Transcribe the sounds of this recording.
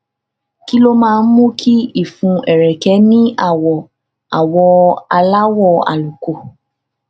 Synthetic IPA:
ki˦lo˦mãː˦˧n̩˦mũ˦kʰi˦i˦˨fũ˨˧ɛ˨ɾɛ˨kɛ˨˦nĩ˦a˦˨wɔ˨ | a˨wɔ˧a˧la˦wɔ˦˧a̰˨lu˨ko˨

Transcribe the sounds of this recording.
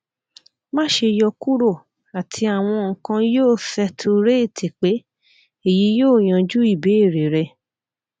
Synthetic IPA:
mã˦˨ʃe˧jɔ˧ku˦ɾo˦˨ | a˨tʰi˧a˨w̃ɔ̃˧ŋ̩˨kã˧joː˦˨fɛ˧tʰo˧ɾe˦e˦˨tʰe˨k͡pe˨˦ | e˦˨ji˨˦joː˦˨j̃ã˨˧d͡ʒu˦i˦˨be˨˦e˦˨ɾe˨ɾɛ˧

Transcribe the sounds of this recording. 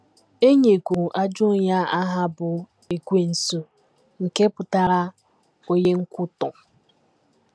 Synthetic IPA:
e˦ɲe˨ɡʷu˨ʔa˦d͡ʒʊ˦˨ɲa˦a˦ɦa˦bʊ˨ | e˨ɡʷe˨n̩˨so˨ | ŋ̩˨ke˦pʊ˨ta˨ɾa˦ | o˦ɲe˦ŋ̩˦kʷʊ˦tɔ˨

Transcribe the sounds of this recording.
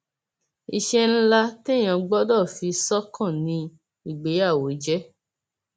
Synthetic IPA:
i˨ʃɛ˧n̩˦la˦te˦˨j̃ã˧ɡ͡bɔ˦dɔ˦˨fi˧sɔ˦kɔ̃˦˨nĩ˧ | i˦˨ɡ͡be˨˦a˦˨wo˨˦d͡ʒɛ˦

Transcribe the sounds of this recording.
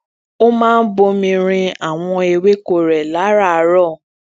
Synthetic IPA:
o˦mãː˦n̩˦bo˧mĩ˧ɾ̃ĩ˧a˨w̃ɔ̃˧e˧we˦ko˦˨ɾɛ˨la˨˦ɾa˦˨˧ɾɔ˦˨

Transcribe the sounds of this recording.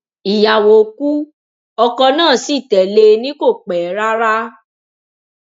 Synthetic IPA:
i˨ja˨wo˨ku˦ | ɔ˧kɔ˧nãː˦˨si˦˨tɛ˨le˧nĩ˦ko˦˨k͡pɛ˨˦ɾa˦ɾa˦

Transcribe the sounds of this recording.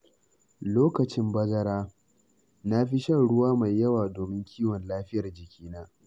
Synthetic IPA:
loː˦kɐ˨t͡ʃɪ˦mbɐ˦ɡɐ˦ɾaː˦ | na˦ɸi˦ʃɐ˦nɽʊ˦waː˦ma˨jːɐ˦waː˨doː˨mɪ˦ŋkʲʰiː˦wɔ˨nlaː˦ɸɪ˦jɐ˨rd͡ʒɪ˨kʲiː˦naː˦

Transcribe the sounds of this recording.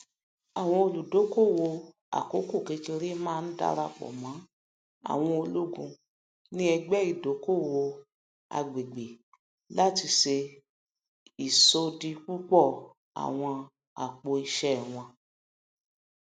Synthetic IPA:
a˨w̃ɔ̃˧o˧lu˨do˨˦ko˦˨wo˧ | a̰˨ko˨˦ko˦˨kẽ˧ke˧ɾi˦mãː˦˧˦n̩˦da̰˦˧ɾa˧k͡pɔ̰˨mã˨˦ | a̰˨w̃ɔ̃˧o˧lu˦ɡũ˧ | nĩ˦ɛ˧ɡ͡bɛ˦i˨do˨˦ko˦˨wo˧ | a̰˧ɡ͡be˨ɡ͡be˨ | la˦ti˧ʃe˧ | i˨so˧di˧k͡pu˦k͡pɔ˦˨ | a̰˨w̃ɔ̃˧ | a̰˨k͡po˧i˧ʃɛ˦˨w̃ɔ̃˧

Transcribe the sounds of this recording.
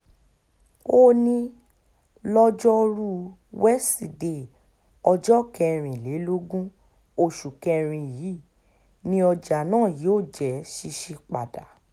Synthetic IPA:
o˦nĩ˧ | lɔ˦d͡ʒɔ˦ɾu˦ | wɛ˦si˨de˨ | ɔ˧d͡ʒɔ˦kɛ˧ɾ̃ĩ˨le˨˦lo˦ɡũ˦ | o˦˨ʃu˨kɛ˧ɾ̃ĩ˧˨jiː˨˦ | nĩ˧˦ɔ˧d͡ʒa˨nãː˦˨ji˨˦o˦˨d͡ʒɛ˨˦ʃi˧ʃi˧k͡pa˨da̰˨

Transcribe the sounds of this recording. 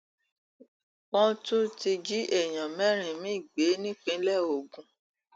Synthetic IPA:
k͡pɔ̃˦tu˦ti˧d͡ʒi˦ʔɛ˦˨j̃ã˨mɛ̃˨˦ɾ̃ĩ˨mĩ˦i˦˨ɡ͡be˨˦nĩ˦k͡pĩ˦lɛ˦˨o˨ɡũ˨˦

